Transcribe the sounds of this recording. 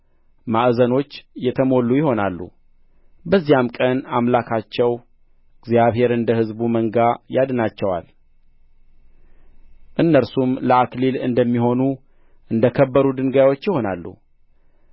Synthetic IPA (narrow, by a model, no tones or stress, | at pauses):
maʔzəno̞t͡ʃːjɛt̪ʰəmo̞lːujɪho̞nalːṵ | bəzːijamkʼənamlakʰat͡ʃːɛw | ɨɡzjaβhe̞ɾɨnd̪əhɨzbuməŋɡajad̪nat͡ʃːɛwa̰l | ʔɨnːəɾsumləaklilɨ̰nd̪əmːiho̞nu | ʔɨnd̪əkʰəbːəɾud̪ɨŋɡajwo̞t͡ʃːjɪho̞nalːṵ